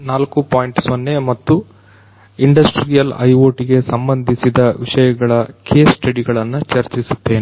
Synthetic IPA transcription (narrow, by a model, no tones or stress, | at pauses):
naːlkupaːjiɳʈsonːemɐt̪ːu | iɳɖɐsʈɾijɐlɐ̰jʋoːʈiɡesɐmbɐnd̪ʱisid̪ɐʋiʂɐjɐɡɐɭɐkʰeːsʈɐɽiɡɐɭɐnːut͡ʃɐɾt͡ʃisut̪ːe̞ːne